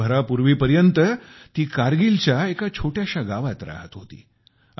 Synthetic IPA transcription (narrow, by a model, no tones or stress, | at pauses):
əɾapuɾʋiːpəɾjənt̪ət̪iːkaɾɡilt͡ɕjaekat͡ɕʰoʈjaɕaɡaʋat̪ɾa̰ɦət̪ɦot̪ḭː